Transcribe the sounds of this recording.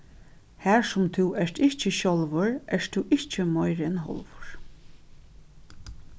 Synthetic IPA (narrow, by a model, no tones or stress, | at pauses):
hæɹsʊmt̪ʰuwɛʂt̪ɪht͡ʃɪɕɔlʋʊɹʔɛʂt̪ʰuwʔɪht͡ʃɪmɔjɾɪnɦɔ̰lʋʊɹ̥